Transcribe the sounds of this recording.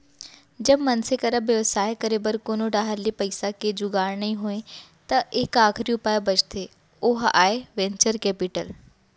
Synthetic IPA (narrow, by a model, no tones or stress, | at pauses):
d͡ʑɐbmɐnsekɐɾabjɐʋsaːekəɾebəɾkoːnoɖaːɦəlipɐisaked͡ʑuɡaːɽnɐĩɦoːẽt̪ɐʔɪkaːxʰɾiũpaːjobɐt͡ʃt̪ʰe | ʊɦa̰ːeʋẽːɲt͡ɕəɾkɛːpɪʈəl